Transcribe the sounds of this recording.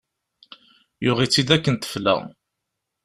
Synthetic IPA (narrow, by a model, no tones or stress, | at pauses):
jʊʁit͡sːid̪ækːənt̪ə̥flæ̰